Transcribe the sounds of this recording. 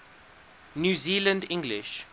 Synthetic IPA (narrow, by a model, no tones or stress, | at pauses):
njuːziːlə̃ndɪ̃ŋɡlɪʃ